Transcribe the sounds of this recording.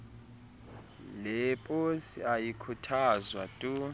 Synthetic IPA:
lɛpʼosiajikʰutʰazwa̰tʼu

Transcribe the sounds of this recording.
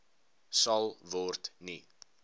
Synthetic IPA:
sɐlˠvɔrtni

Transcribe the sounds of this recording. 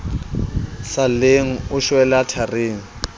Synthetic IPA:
saleŋ̩ʊʃwɛlatʰareːŋ̩

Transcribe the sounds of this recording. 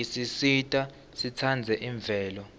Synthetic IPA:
isisitʼa | sitʰand͡zʱɛʔiɱb̪vʱɛːlɔ

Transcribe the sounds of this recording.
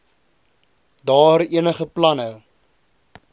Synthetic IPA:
dɑːɾiənəχəplɐnəw

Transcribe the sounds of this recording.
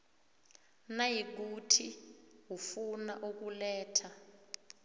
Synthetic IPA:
najiɡ̬utʰiwufunaʔuk̬ulɛːtʰa

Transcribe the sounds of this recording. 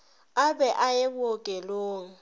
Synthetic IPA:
abɛʔajebʊokʼɛloːŋ̩

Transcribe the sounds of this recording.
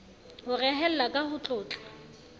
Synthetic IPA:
hʊrɛɦɛl̩lakʼahʊt͡ɬʼʊːt͡ɬʼḁ

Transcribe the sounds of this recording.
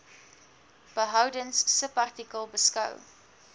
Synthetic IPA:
b̥əɦɐwdənsːəpɐrtikəlˠbəskɐ̰w

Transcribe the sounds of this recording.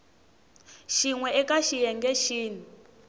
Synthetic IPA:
ʃiŋwɛɛkaʃijɛŋɡɛʃiːni

